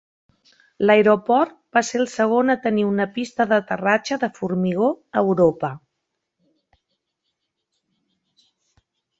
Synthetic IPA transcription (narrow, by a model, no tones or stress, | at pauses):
ləjɾopɔrt̪̚baseəlˠsəɣ̞onət̪əniunəpist̪əðət̪ərat͡ʃəðəfuɾmiɣ̞oəwɾopə